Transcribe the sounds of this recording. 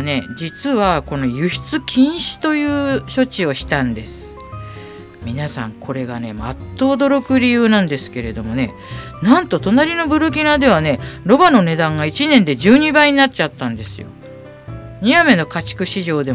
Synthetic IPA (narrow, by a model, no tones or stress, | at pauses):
ne̞d͡ʑit͡sɨβako̞no̞jɯ̟çi̥t͡sɨkʲʰĩɰ̃ɕi̥t̪o̞jɯ̟ːɕo̞t͡ɕio̞ɕi̥t̪ãnd̪e̞sɨ̥ɨ̥ | mʲinasã̰ŋkʰo̞ɾe̞ɡane̞ma̰t̪ːo̞ːd̪o̞ɾo̞kɯ̟ɾʲijɯːnãnd̪e̞sɨ̥ke̞ɾe̞d̪o̞mo̞ne̞̰ | nãnt̪o̞t̪o̞naɾʲino̞bɯ̟ɾɯ̟kʲinad̪e̞β̞ane̞ɾo̞bano̞ne̞d̪ãŋɡait͡ɕinẽ̞nd̪e̞d͡ʑɨːɲ̟ibaiɲ̟inat͡ɕat̪ːãnd̪e̞sɨ̰jo̞̰ | ɲ̟iame̞no̞kat͡ɕi̥kɯ̟ɕiʑo̞ːd̪e̞